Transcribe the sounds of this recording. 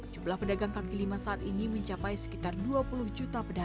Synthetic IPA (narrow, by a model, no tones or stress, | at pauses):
d͡ʒumblahpədaɡaŋkakilimasaʔat̪iniməɲt͡ʃapajsə̥kit̪arduapuluhd͡ʒut̪apəda